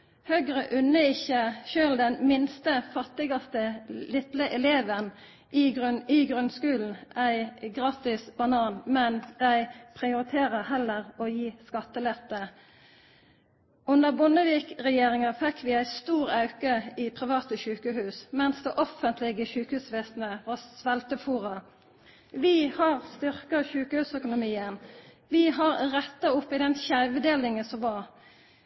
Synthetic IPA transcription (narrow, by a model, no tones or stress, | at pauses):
hœɡʁəʔʉnːəɪçːəʃøːld̪ɛnmɪnst̪əfɑt̪ːɪɡɑst̪əlɪt̪ləʔɛleːʋən | ʔɪɡɪɡʁʉnskʉːln̩ʔæɪɡʁɑːt̪ɪsbɑnɑːnmɛnd̪̥æɪpʰʁɪʊɾɪt̪ʰeːʁəhɛlːəʁɔjiːskɑt̪ːəlɛt̪ːə | ʉnəʁbʊnəʋiːkʁɛjeːʁɪŋɑfɛkʰːʋɪæɪst̪uːɾɑʉkəɪpʰʁɪʋɑːt̪əʃʉːkəɦʉːsmɛnsd̪ɛʔɔfənt̪ʰlɪɡəʃʉːkhʉːsʋeːsnəʋɑsʋɛlt̪əfuːʁɑ | ʋɪhɑʁst̪ʏʁkɑɕʉːkəhʉːsœkʊnʊmiːən | ʋɪɦɑɾʁɛt̪ːɑʊpːɪd̪ɛnçæɪʋd̪eːlɪŋəsɔmʋɑʁ